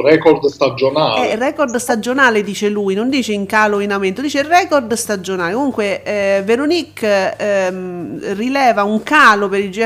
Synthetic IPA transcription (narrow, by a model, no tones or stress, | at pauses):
rɛkɔɾd̪st̪ad͡ʒonaːɛrɛːkɔrd̪st̪ad͡ʒonaːled̪iːt͡ʃeluːjnond̪iːt͡ʃeiŋkaːloinament̪od̪iːt͡ʃerɛkord̪st̪ad͡ʒonaːlekomuŋkweveɾonikː | rilɛːvauŋkaːlopeɾid͡ʒɛ